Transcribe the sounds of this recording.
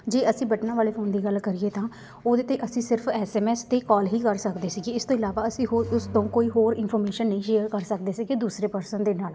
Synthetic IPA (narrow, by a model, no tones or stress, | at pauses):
d͡ʒeːəsĩːbəʈnaːʋaːleːpʰoːnd̪iːɡəlkəɾiːeːt̪ãː | oːd̪eːt̪eːʔəsĩːsɪɾpʰɛːsɛːmɛːst̪eːkɔːlɦiːkəɾsəkd̪eːsiːɡeːɪst̪õːɪlaːʋaːəsĩːɦoʊst̪õːkoːiːɦoːɾɪnpʰɔɾmeːʃənːəĩːʃeːəɾkəɾsək̚d̪eːsiːɡed̪uːsɾeːpəɾsənd̪eːnaːl